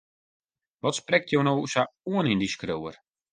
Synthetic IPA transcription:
ʋɔtsprɛk̚tʰjownowusauənindiskroːər

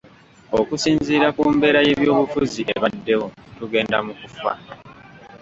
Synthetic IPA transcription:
o̞kusiːnziːɾakuːmbe̞ːɾaje̞βjo̞ːβufuziʔeβadːe̞wotuɡe̞ːnda̰mukufa̰

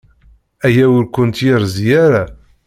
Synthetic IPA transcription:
æjæʊɾkʷʊnt̪jəɾzjæɾa

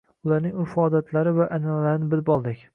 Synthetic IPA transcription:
ʊlaɾnɪŋɪfɒd̪at̪ʰlaɾɪvaʔanallaɾɪnɪbɪlbɒlˠd̪ɪkʲ

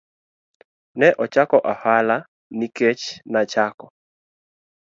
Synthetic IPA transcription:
nɛʔɔt͡ʃakɔʔahala | niket͡ʃnat͡ʃakɔ

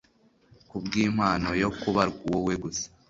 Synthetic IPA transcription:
kubɡiːm̥haːno̞jo̞kuβaɾɡuwoweɡusḁ

